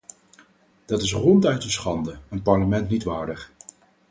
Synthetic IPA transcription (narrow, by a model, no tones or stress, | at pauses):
d̥ɑtɪsrɔntœɥtənsχɑndəənpɑɹləmɛntnitʋaːɹdəχ